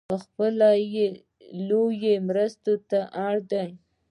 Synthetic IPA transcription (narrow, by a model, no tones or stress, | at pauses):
pəxpəlaje | lojemɾəst̪ot̪aʔaɽd̪aj